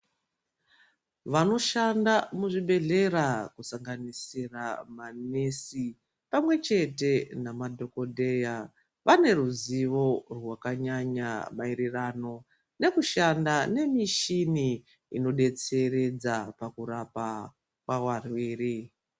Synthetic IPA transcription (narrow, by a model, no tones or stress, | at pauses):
ʋano̞ʃandamuʐiɓe̞ɮe̞rakusaŋɡanisiramanesi | pamwe̞t͡ʃe̞te̞namadʱo̞ko̞dʱe̞ja | ʋane̞ruziʋo̞rwakaɲaɲamairirano̞ | ne̞kuʃandane̞miʃini | ino̞ɗe̞t͡se̞ɾe̞d͡zapakuɾapa | kwawarwiːri